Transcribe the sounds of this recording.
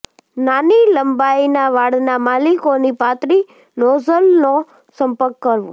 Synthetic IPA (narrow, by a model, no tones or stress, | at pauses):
naniləmbainaʋaɽnamalikonipat̪ɾi | nɔzəlno | səmpəɾkːəɾʋṵ̃